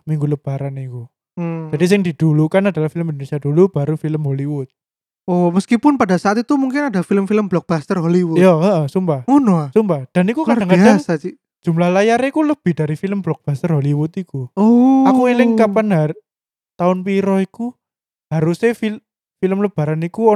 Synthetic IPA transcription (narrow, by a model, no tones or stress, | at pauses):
miŋɡuləb̥a̤ɾaniku | d͡ʒadis̬ɪŋd̥id̥ulukanadalahfiləmindonesiad̥ulub̥aɾufiləmɦoliwʊt̪̚ | oməskipʊnpadasaat̪it̪umuŋkɪnadafiləmfiləmblɔk̚b̥ast̪ərɦoliwʊjaəʔəsumpaunosumpahd̥a̤nikukadaŋkadaŋsad͡ʒi̥ | d͡ʒ̥ṳmlahlajaɾekuləb̥ɪ̤d̥aɾifiləmblɔk̚b̥ast̪ərɦoliwʊt̪ikuoakuilɪŋkapanar | t̪aʊnpiɾɔiku | haɾusefi | filəmləb̥a̤ɾanikuɔ